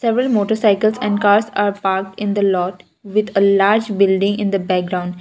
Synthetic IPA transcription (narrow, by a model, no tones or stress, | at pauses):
sɛʋɾəlmoːʈəɾsaɪkəlsɛ̃ɳɖkaːɾsaːɾpaːɾk̚ʈɪ̃nd̪əlɔːʈ | ʋɪd̪əlaːɾd͡ʒbɪlɖɪ̃ŋɪ̃nd̪əbɛk̚ɡɾãʊ̃ɳɖ